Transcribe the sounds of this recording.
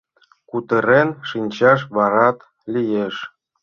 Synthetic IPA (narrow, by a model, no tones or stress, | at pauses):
kut̪əɾenʃinʲt͡ɕɑʃ̬βɑɾɑt̪ | lʲijeʃ